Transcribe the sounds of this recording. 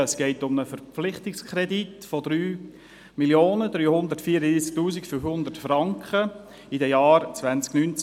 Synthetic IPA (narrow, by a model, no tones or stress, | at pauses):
əsɡ̥ɛɪtʊməfəɾpflɪχtɪkskχɾeditfodɾyː | miljoːnəd̪ɾyːhʊnd̪ərtfiːəɾədɾiːsk̚tuːzɪkfyfhʊnd̪ətfrɑŋkχə | idɛjaːɾt͡svænt͡sknynt͡s